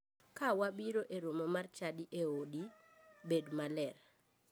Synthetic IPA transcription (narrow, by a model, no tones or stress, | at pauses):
kawabiɾoʔeɾomomart͡ʃadiʔeodi | bedmalɛr